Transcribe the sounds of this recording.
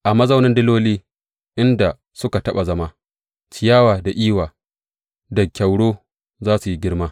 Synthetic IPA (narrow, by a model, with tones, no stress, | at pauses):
ʔa˨mɐ˦zɐ˦wnɪ˦ndɪ˦loː˦liː˦ | ʔɪ˦nda˨ | sʊ˦ka˨tɐ˦ɓa˨zɐ˦maː˦ | t͡ʃɪ˨jaː˦waː˨da˨ʔiː˦waː˨ | dɐ˨kʲa˨wɽoː˦ | zaː˦su˨ji˦ɡʲɪ˦ɽmaː˦